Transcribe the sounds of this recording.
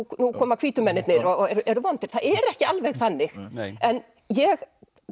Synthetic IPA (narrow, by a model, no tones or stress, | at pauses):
nukʰɔːmakʰv̥iːt̪ʏmɛnːɪt̪nɪɾɔɛɾʏʔɛɾʏvant̪ɪɾ̥θaðɛɾɛhcɪalvɛɣθanːɪxɛn | jɛɣ